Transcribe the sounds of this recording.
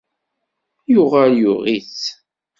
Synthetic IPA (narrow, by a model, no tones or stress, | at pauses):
jʊʁaljʊʁit͡s